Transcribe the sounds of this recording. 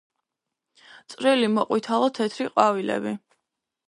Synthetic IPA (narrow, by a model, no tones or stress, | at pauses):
t̪sʼɾilimɔqʼwit̪ʰalˠɔt̪ʰɛt̪ʰɾiqʼwavilɛ̰bi